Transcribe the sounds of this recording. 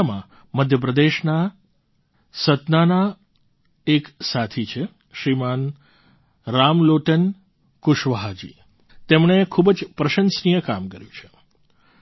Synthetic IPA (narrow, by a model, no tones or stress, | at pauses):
mã̰ | məd̪ʱjəp̬ɾəd̪eʃna | sət̪nana | eksat̪ʰit͡ʃʰe | ʃɾiman | ɾamloʈən | kʊʃʋəɦad͡ʒḭ | t̪emɳ̃ekʰubəd͡ʒpɾəʃənsnijəkamkəɾjũt͡ʃʰe̥